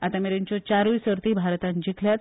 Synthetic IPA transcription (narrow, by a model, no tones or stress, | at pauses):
at̪ameɾeɲt͡ɕjɔt͡ɕaɾuisəɾt̪iːbʱaɾt̪ãnd͡ʑikʰljat̪